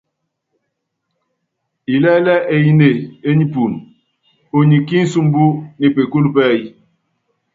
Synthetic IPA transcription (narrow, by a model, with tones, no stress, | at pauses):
i˨lɛ˦lɛ˦ʔe˨ji˦ne˨e˦ɲi˦pu˨n | o˨ɲi˨ki˦n̩˦su˦m˦bu˦ne˨pe˨ku˦lpɛ˦˨ji˦